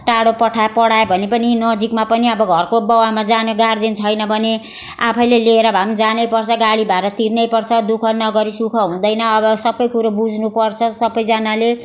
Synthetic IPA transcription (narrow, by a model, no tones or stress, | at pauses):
ʈaɽopʌʈʰapʌɽaebʱʌnepʌninʌd͡zikmapʌniʌbʌɡʱʌrkobʌwamad͡zanoɡard͡zint͡sʰʌjnʌbʱʌne | a̰pʰʌjleleːɾʌbʱamd͡zanʌjpʌrt͡sʰʌɡaɽibaeɾʌt̪irnʌjpʌrt͡sʰʌd̪ukʰʌnʌɡʌɾisukʰʌɦũd̪ʌjnʌːbʌsʌbʌjkuɾobud͡znupʌrt͡sʰʌsʌbʌjd͡zanale